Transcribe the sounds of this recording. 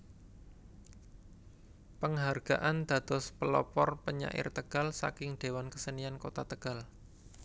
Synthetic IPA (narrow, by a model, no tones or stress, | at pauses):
pəŋɦarɡ̥aʔand̪̥a̤d̪̥ɔspəlɔ̰pɔrpəɲa̰ʔɪ̰rt̪əɡ̥a̤lsa̰kɪŋɖ̪̥e̤wankəsəniankot̪at̪əɡ̥al